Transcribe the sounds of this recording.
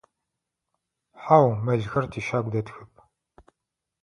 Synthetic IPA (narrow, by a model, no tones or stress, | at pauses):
ħaːwmɐɮxɐrtʰiʃaːɡʷd̪ɐtxɨp̚ʼʰ